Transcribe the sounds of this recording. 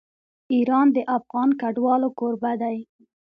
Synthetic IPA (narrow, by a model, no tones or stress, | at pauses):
iɾɑnd̪əʔafɣɑnkaɖwɑlokoɾbad̪aj